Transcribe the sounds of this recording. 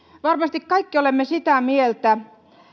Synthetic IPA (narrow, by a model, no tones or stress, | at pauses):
ʋɑrmɑst̪ikkɑikːiolemːesit̪æmielt̪æ